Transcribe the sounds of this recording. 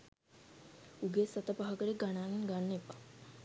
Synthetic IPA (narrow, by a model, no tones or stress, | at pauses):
uɡesɐt̪əpaɦaɡəɾeɡanaːninɡanːepa